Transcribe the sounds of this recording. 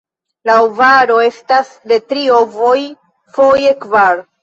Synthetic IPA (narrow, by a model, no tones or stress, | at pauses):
laovaɾo̞e̞stasde̞tɾio̞vo̞j | fo̞jekvaɾ